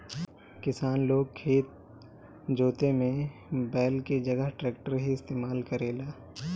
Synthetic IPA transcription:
kɪsaːnloːɡ̚kʰeːt̪̚ | d͡ʒoːt̪emẽbɛːlked͡ʒɐɡəɦʈɾɛːk̚ʈəɾɦiɪst̪eːmaːlkəɾeːlaː

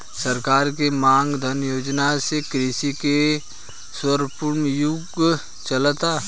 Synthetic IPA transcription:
səɾkaːɾkemãːŋɡd̪ʱənjoːd͡ʒnasekɾeːsike | swəɾpʊɾmjʊɡ | t͡ʃəlt̪a

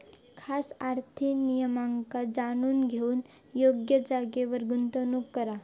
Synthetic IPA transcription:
kʰasaɾt̪ʰinijəmaŋkad͡zañuːnɡʱeuːn | joɡjəd͡zaɡeʋəɾɡunt̪ənukːəɾa

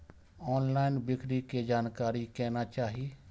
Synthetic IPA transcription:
ɔːnlaːɪnbɪkɾiked͡ʒaːnkaːɾikɛːnat͡ʃaːɦie

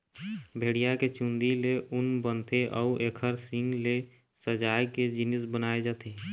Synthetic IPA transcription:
bʱeɽijaket͡ʃũnd̪ileʔʊnbənt̪ʰeʔɔuʔeːkʰəɾsɪ̃ŋɡle | səd͡ʒaːjked͡ʒɪnɪsbənaːed͡ʒat̪ʰe

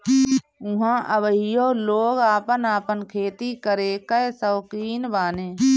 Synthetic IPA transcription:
ʊɦãʔəbəɦijoːloːɡaːpənaːpənkʰeːt̪ikəɾeːkəsəːkiːnbaːnẽː

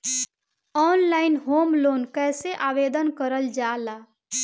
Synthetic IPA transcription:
ɔːnlaɪnɦoːmloːnkɛːseʔaːʋeːd̪ənkəɾəld͡ʒalaː

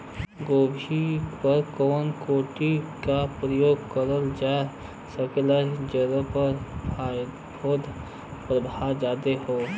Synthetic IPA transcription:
ɡoːbʱipəɾkoːnkoːʈikapɾəjoːɡkəɾəld͡ʒae | səkelad͡ʒəɾə̃pəɾa | bʰoːd̪ | pɾəbʱad͡ʒaːd̪eɦoː

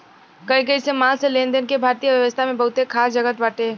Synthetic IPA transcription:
kəikəisemãlselẽːnd̪ənkebʱaːɾt̪ijəʋjəʋəst̪ʰamẽbəɦʊt̪ekʰaːsd͡ʒəɡət̪ʋaːʈe

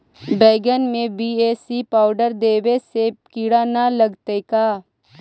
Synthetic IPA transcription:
beːɡənmẽbiːeːsipaːʊɖəɾd̪eːwesekiɽanaləɡt̪ekaː

